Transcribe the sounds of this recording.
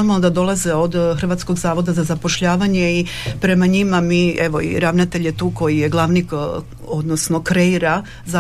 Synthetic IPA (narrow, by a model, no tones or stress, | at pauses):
omod̪ad̪o̞lˠaze̞o̞d̪xr̩ʋaːt̪sko̞ɡzaːʋo̞d̪azazapo̞ʃʎaːʋaɲe̞i | pɾe̞maɲimamiʔe̞ʋo̞ḭɾaʋnat̪eʎje̞t̪uːko̞jije̞ɡlˠaʋnik | o̞d̪nosno̞kɾe̞iɾa | za